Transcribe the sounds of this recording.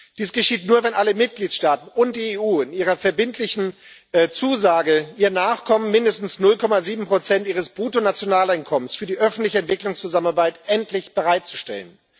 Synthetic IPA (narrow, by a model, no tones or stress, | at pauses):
d̥iːsɡ̥əʃiːtnuːɐvɛnʔaləmɪt̚ɡ̥liːtʃtaːtn̩ʊnt̚d̥iːeːʔuːɪniːʁɐfɛɐbɪntʰlɪçn̩ | t͡suːzaːɡəʔiːɐnaːχkʰɔmənmɪndəstn̩snʊlkʰɔmaziːbm̩pʁ̥ot͡sɛntʔiːʁ̞əsb̥ʁuːtonat͡sjonaːlaɪnkʰɔmənsfyːɐdiːʔœfn̩tlɪçəɛntv̥ɪklʊŋst͡suzamənaɐbaɪtʔɛntlɪçb̥əʁaɪt̚t͡su̥ʃtɛ̰lən